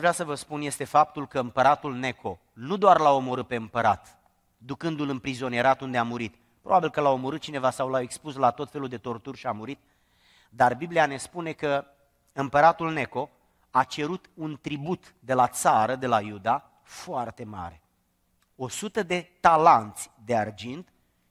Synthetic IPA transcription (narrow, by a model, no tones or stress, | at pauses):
aʒvɾasəvəspunje̞st̪e̞fap̚t̪ulkəɨmpəɾat̪ulne̞kʰo̞ | nud̪oarlao̞mo̞ɾɨt̪̚pe̞ɨmpəɾat̪ | d̪ukɨnd̪ulɨnpɾizo̞nieɾat̪und̪eamuɾit̪ | pɾobabilkəlao̞mo̞ɾɨt̪̚t͡ʃine̞vasawlaekspuslat̪o̞t̪fe̞luld̪e̞t̪o̞rt̪urʲʃiamuɾit̪̚ | d̪arbibliane̞spune̞kə | ɨmpəɾat̪ulne̞ko̞ | at͡ʃe̞ɾut̪unt̪ɾibut̪ | d̪e̞lat̪saɾəd̪e̞lajud̪a | foart̪e̞ma̰ɾe̞ | o̞sut̪əd̪e̞t̪alant̪sʲd̪e̞ard͡ʒint̪